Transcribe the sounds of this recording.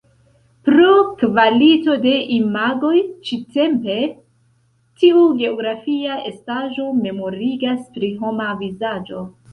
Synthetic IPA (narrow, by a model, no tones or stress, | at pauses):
pɾokvalito̞de̞ʔimaɡo̞jt͡ʃite̞mpe̞ | tiuɡe̞oɡɾafiae̞staʒo̞me̞mo̞ɾiɡaspɾiɦo̞mavizad͡ʒo̞